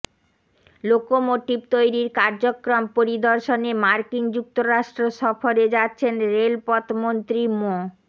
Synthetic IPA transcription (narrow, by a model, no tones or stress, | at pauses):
lokomoʈibt̪ojɾiɾkaɾd͡ʑokɾompoɾid̪oɾʃonemaɾkiŋd͡ʑuk̚t̪oɾaʃʈɾoʃɔfoɾed͡ʑatːɕʰenɾelpɔt̪mont̪ɾimo